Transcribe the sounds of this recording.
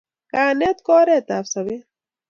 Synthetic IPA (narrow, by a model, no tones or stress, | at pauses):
kaːnet̪kɔːɾet̪aːfsɐwi